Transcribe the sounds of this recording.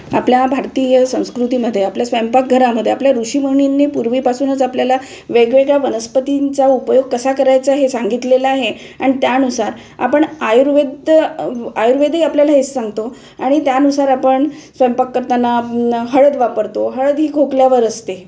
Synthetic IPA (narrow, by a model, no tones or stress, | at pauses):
apljabʱaɾt̪ijəsə̃w̃skɾut̪iməd̪ʱːjeapljasʋəmpak̚ɡʱəɾaməd̪ʱːjeapljaɾuɕiməɳinːepuɾʋiːpasuːnət͡sapljala | ʋeɡʋeɡɭaʋənəspət̪int͡saupəjoɡ̚kəsakəɾajt͡saɦesaŋɡit̪lelaːɦe | aɽ̃it̪janusaɾ | a̰pəɳajuɾʋed̪ | ajuɾʋed̪ʱɦiapljalaɦet͡ssaŋɡt̪o | aɽ̃it̪janusaɾapəɳsʋəjəmpakːəɾt̪anːaɦəɭəd̪ʋapəɾt̪oɦəɭəd̪ɦiːkʰokljaʋəɾəst̪e